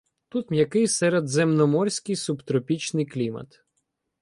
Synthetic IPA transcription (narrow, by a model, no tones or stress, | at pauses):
t̪ut̪mʲjɐkɪjsɛɾed̪zɛmnɔmɔrʲsʲkɪjsubt̪ɾɔpʲit͡ʃnɪjklʲimɐ̰t̪